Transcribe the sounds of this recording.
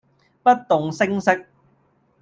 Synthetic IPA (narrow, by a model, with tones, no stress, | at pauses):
pɐ˥t̚t̪ʊ˨ŋsɪ˥ŋsɪ˥k̚